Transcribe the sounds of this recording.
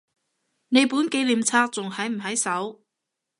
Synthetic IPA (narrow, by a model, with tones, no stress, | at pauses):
ne˨˧jpuː˨˥nke˨˧˥jliː˨mt͡sʰaː˥k̚t͡sʊ˨ŋhɐ˨˥jm̩˨˩ɦɐ˨˥jsɐ˨˥w